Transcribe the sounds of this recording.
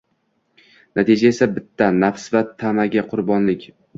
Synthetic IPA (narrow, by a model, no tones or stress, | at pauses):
nʔat̪ʰed͡ʒae̞sabɪt̪ʰːanafsvat̪ʰamaɡʲaqʰʊɾbɒnlɪkʲ